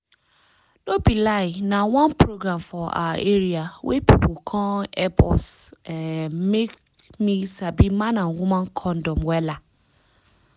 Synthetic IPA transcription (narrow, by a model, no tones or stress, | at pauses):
dobilaɪnawɔ̃npɹoɡɾãmfɔa̰aʔeɾiawʔepipokʰɔ̃ɛpɔ̰s | mek | misabimãnãnwumãnkʰɔ̃ndɔmwɛla